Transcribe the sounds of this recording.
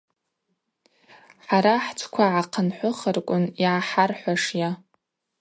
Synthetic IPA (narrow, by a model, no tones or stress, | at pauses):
ħaɾaħt͡sʷʰkʷʰaʕaqʰənħʷʊχərkʷʼʊniʕaħarħʷaʂja